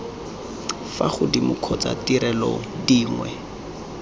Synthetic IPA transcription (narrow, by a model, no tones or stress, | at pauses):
faχʊdimʊkʰɔt͡sa̰tiɾɛlɔdiːŋwɛ̰